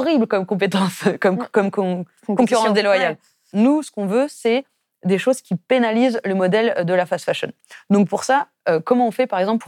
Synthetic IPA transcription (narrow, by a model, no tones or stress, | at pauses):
ʁiblkɔmkɔ̃p̬et̪ɑ̃skɔmkɔmk | kɔ̃kyʁɑ̃sd̪elwajal | nusə̥kɔ̃vøsɛ | d̪eʃozkʲipenalizləmɔd̪ɛld̪əlafasfaʃɔ̰n | d̪ɔ̃k̚puʁsa | økɔmɑ̃ɔ̃fɛpaʁɛɡzɑ̃p